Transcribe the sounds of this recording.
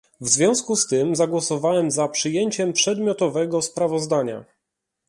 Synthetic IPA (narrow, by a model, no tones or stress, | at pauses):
vzvʲjɔ̃w̃skust̪ɘmzaɡwɔsɔvawɛmzapʂɘjeɲt͡ɕɛmpʂɛd̪mʲjɔt̪ɔvɛɡɔspɾavɔzd̪aɲa̰